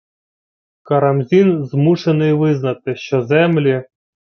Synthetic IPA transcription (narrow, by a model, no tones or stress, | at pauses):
kɐɾɐmzʲinzmuʂenɨjʋɪznɐt̪ɨʃt͡ɕɔzɛmlʲi